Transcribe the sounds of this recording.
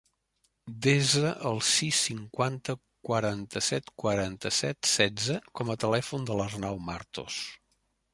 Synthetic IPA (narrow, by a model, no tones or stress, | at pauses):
d̪ezəʔəlˠsisːiŋkwant̪ə | kwəɾant̪əsɛt̪kwəɾant̪əsɛt̪sɛd͡zəkɔmət̪əlɛfund̪ələznawmaɾt̪o̰s